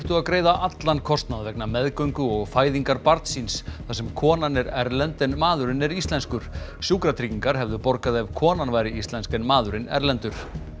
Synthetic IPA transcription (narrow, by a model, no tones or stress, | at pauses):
t̪ʏaðkɾeːjðaʔat̪lankʰɔst̪naðvɛknamɛðkœɥŋkʏɔɣfaːjðiŋkaɾpaɾt̪sinsθasɛmkʰɔːnanɛɾɛɾlɛnt̪ɛnmaːðʏɾɪnɛɾist̪lɛnskʏɾ̥sjuːkɾat̪ʰɾiciŋkaɾ̥ɦɛvðʏpɔɾkaðɛvkʰɔːnanvaːjɾɪist̪lɛnskɛnmaːðʏɾɪnɛ̰ɾlɛnt̪ʏɾ̥